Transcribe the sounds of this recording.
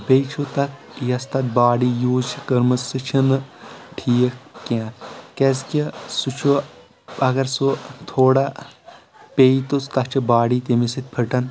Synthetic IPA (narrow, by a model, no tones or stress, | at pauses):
bejt͡ʃʰut̪ɐk | jɐst̪ɐt̪̚baːɽiːjuːzt͡ʃʰikɐɾmɐsɨt͡ʃʰinɨʈʰiːkkːãːkeːskisut͡ʃʰu | ɐɡɐɾsut̪ʰoːɽaː | peːit̪ost̪ɐkt͡ʃʰibaːɽit̪imisit̪̚ʲpʰəʈɐn